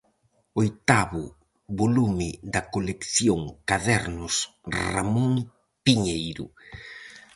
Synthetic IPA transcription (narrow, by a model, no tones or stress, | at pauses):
ojt̪aβʊ | βolumɪðd̪ɐkolekθjoŋkaðɛɾnʊsra̰mõŋ | piɲejɾʊ̰